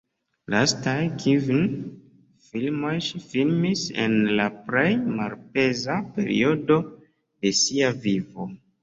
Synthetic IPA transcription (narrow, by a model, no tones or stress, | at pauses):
lastajkʰivin | filmo̞jʃifilmisḛnlaple̞jmalpe̞zape̞̰ɾḭo̞do̞ | de̞siavivo̞